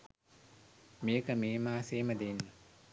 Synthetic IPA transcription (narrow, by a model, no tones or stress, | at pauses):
miːkamiːmaːsiːmad̪in